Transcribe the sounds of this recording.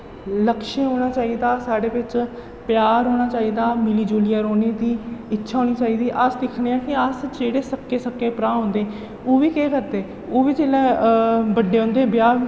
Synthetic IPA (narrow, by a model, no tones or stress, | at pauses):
ləkʃeːɦoːɽ̃aːt͡ʃaːiːd̪aːsaːɽeːʋɪt͡ʃ | pjaːɾɦoːɽ̃aːt͡ʃaːiːd̪aːmɪliːd͡ʒuːlɪjaːɾoːneːd̪iːɪtːʃʰaːɦoːñiːt͡ʃaːiːd̪iːʔəsd̪ɪkʰneːãːkɪəsd͡ʒeːɽeːsəkːeːsəkːeːpɾãːɦõːnd̪eːɛ | oːʋiːkeːkəɾd̪eː | oːʋiːd͡ʒeːlɛːbəɖeːɦõːnd̪eːbjaː